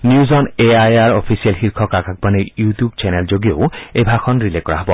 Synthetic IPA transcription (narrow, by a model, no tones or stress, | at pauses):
njuzɔneajaɾɔpʰisialxiɾkʰɔkakak̚baneɾjutjubt͡ɕɛneld͡ʒoɡioebʱakʰɔnɾilekːɔɾa̰ɦɔbɔ